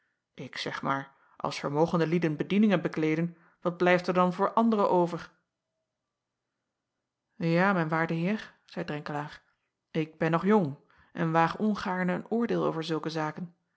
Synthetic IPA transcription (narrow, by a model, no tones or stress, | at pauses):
ʔɪksɛχmaːɹ | ʔɑ̰lˠsfəɹmowχəndəlidənbədinɪŋənbəklejdən | ʋɑd̚blɛjftəɹdɑnvʊːɹʔɑndərəʔowvəɹ | jaːmɛjnʋaːɹdəɦɪːɹ | z̥ɛjdrɛŋkəlaːχ | ɪɡ̚bɛnːɔχjʊŋ | ʔɛ̰nʋaːχɔnχaːɹnəə̰nʊːɹdɪːlˠo̰wvəɹzɵlˠkəzaːkən